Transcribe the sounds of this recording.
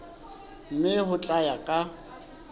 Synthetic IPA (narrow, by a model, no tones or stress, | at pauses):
m̩mɪɦʊt͡ɬʼajakʼa